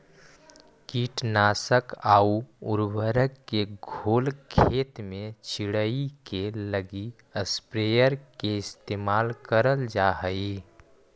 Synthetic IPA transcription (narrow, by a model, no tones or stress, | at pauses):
kiːʈnaːsəkaːuʊ̰ɾbəɾəkːeɡʱoːlkʰeːt̪mẽt͡ʃʰɪɽəikeləɡi | əspɾeːjəɾkeɪst̪eːmaːlkəɾəld͡ʒaːɦəi